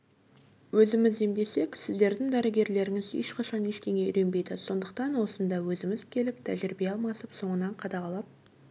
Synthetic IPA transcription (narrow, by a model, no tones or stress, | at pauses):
wɵzɪmɪzemd̪e̞se̞ksɪzd̪e̞ɾd̪ɪŋd̪æɾɪɡʲe̞ɾle̞ɾɪŋɪzḛʃqʰɑʃɑneʃt̪e̞ŋeʏ̰ɾe̞nbe̞jd̪ɪso̞nd̪əq̚t̪ɑnwo̞sənd̪ɑwɵzɪmɪz̥kʲʰe̞lɪp̚t̪ʰæ̰ʒɪɾɪbe̞ɑlˠmɑsəpso̞ɴənɑɴqʰɑd̪ɑʁɑlˠɑp̚